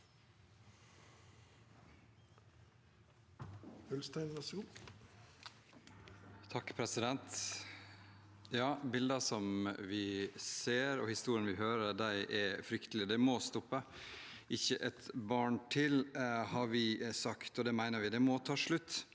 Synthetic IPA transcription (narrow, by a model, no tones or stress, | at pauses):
hœlst̪æɪnʋæsəɡuː | t̪ʰɑkːpʰɾɛsɪd̪ɛnt̪ | jɑːbɪld̪əsɔmʋɪseːɾɔhɪst̪uːɾɪənʋɪɦøːɾəɾd̪æɪʔɛfɾʏkt̪əlɪd̪ɛmɔst̪ɔpːə | ʔɪçːəʔɛt̪bɑːɳʈʰɪlhɑɾʋɪsɑkt̪ɔd̪ɛmæɪnəɾʋɪd̪ɛmɔt̪ʰɑːʂɭʉt̪ː